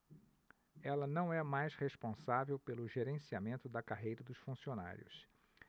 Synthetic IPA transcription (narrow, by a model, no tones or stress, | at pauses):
ɛlɐnɐ̃w̃ɛmajsheʃpõsavewpelʊʒeɾẽsiamẽnt̪ʊd̪ɐkaɦejɾɐd̪ʊsfũsiona̰ɾj̰ʊ̰s